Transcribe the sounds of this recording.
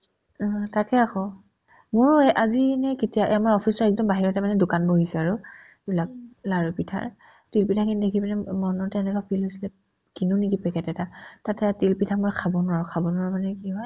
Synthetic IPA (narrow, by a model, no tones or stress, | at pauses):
takɛaxɔ | mʊɹʔazinɛketijaʔamaɹɔpʰisɔɹɛk̚dɔmbaɦiɹɔtɛmanɛdʊkanboɦisɛaɹu | ebilak̚laɹupitʰa̰ɹ | tilpitʰakindekʰipɛnɛmɔnɔtɛnɛkapʰilɦosilɛ | kinunikipɛkɛtɛtatatɛtilpitʰak̚mɔjkʰabɔnʊaɹʊkʰabɔnɔamanɛkiɦɔj